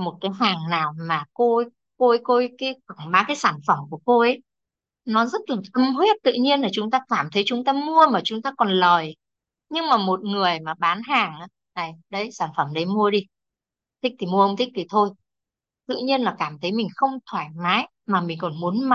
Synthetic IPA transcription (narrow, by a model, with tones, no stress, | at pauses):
mo˨˩t̚kaː˨˦jɦaː˨˩ŋnaː˨˩wmaː˨˩ko˧ | ko˧ʔə˧˦jko˧˦kaː˨˦ka˧˩ŋɓaː˨˦kaː˨˦jsaː˧˩nfə˧˩mku˧˩əko˧ʔə˨˦j | nɔ˨˦zə˦˥t̚laː˨˩ʔə˧mɦwe˦˥t̚t̪ɨ̰˧˨ɲi˧ənlaː˨˩t͡ɕʊ˨˦ŋ͡mt̪aː˧kaː˧˩mt̪ʰə˨˦jt͡ɕʊ˨˦ŋ͡mt̪aː˧mu˧əmaː˨˩t͡ɕʊ˨˦ŋ͡mt̪aː˧kɔ˨˩nləː˨˩j | ɲɨ˧ŋmaː˨˩mo˨˩t̚ŋɨ˨˩əjmaː˨˩ɓaː˨˦nɦaː˨˩ŋʔaː˨˦ | na˨˩jɗə˨˧˦jsaː˧˩nfə˧˩mɗə˨˦jmu˧əɗi˧ | t̪ʰi˦˥k̚t̪ʰi˨˩mu˧əʔə˧wŋ͡mt̪ʰï˦˥k̚t̪ʰi˨˩t̪ʰo˧j | t̪ɨ̰˧˨ɲi˧ənlaː˨˩kaː˧˩mt̪ʰə˨˦jmï˨˩ŋ̟xə˧wŋ͡mt̪ʰwaː˧˩jmaː˨˦j | maː˨˩mï˨˩ŋ̟kɔ˨˩nmu˨˦ənma˨˩